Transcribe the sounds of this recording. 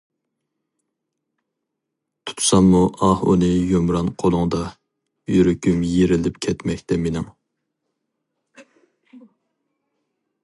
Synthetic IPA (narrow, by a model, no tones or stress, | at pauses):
t̪ʰu̥t̪ʰu̥sɑmːuʔɑhṵnɨjomɾɑnqʰolˠʊŋd̪ɑ | jyɾykʲymjeɾɪlɪpkʲʰɛt̪mɛkʲt̪ɛmenɪŋ